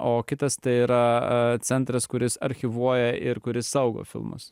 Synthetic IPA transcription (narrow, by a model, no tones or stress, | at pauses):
oːkʲɪt̪ɐst̪ɐɪiːɾɐt̪sʲɛnt̪ɾɐskʊɾʲɪsɐɾʲxʲɪʋuɔjɛʔɪɾkʊɾʲɪsːɐʊɡo̰ːfʲɪ̰lˠmʊ̰s